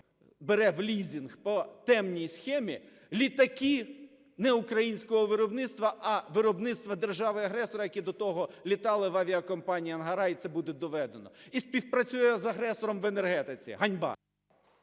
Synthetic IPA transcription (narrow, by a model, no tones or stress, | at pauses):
beɾɛʋlʲizʲinxpɔt̪ɛmnʲijsxɛmʲi | lʲit̪ɐki | nɛukɾɐjinʲsʲkɔɦɔʋɪɾɔbnɪt̪st̪ʋɐʔɐʋɪɾɔbnɪt̪st̪ʋɐd̪erʒɑʋɪɐɦɾɛsɔɾɐjɐkʲid̪ɔt̪ɔɦɔlʲit̪ɑlˠɪʋaʋʲiɐkɔmpɑnʲijɐnɦɐɾɑit̪sɛbud̪ɛd̪ɔʋɛd̪enɔisʲpʲiwpɾɐt͡sʲujɛzɐɦɾɛsɔɾɔmʋenerɦɛt̪ɪt͡sʲḭɦɐnʲbɑ̰